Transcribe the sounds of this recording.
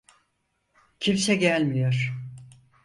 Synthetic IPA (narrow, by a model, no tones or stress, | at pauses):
cʰimsɛɟælʲmijoɾ̥